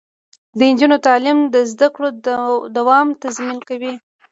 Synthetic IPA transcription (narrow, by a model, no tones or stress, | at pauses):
d̪əɪnd͡ʒunot̪ɑlimd̪əzd̪akɽod̪awɑmt̪azminkawi